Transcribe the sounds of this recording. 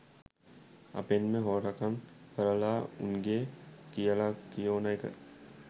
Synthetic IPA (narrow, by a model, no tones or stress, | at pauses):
ɐ̰penmẽɦoːɾəkʰən | kəɾəlaʊ̰nɡekijalakioːnaikə̰